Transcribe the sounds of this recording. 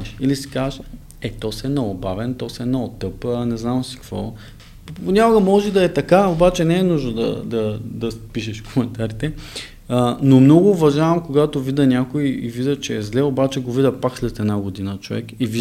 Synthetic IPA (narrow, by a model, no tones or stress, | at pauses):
ʃilisi̥kaʃ | ɛt̪ɔsɛnɛobavɛnt̪ɔsɛnɛot̪ɤpənɛznamsi̥kvɔ̰ | ponʲakʊɡɐmɔʒɛd̪ɐɛt̪ɐkaobat͡ʃɛnɛɛnuʒnod̪ɐ̰d̪ɐd̪ɐspiʃ̬ɛʃkomɛnt̪aɾit̪ɛ | ənomnɔɡʊːvɐʒavɐmkoɡat̪ovid̪ɐnʲakoiivid̪ət͡ʃɛːzlɛobat͡ʃɛɡovid̪ɐpakslɛt̪ɛd̪naɡod̪inət͡ʃovɛ̰kivi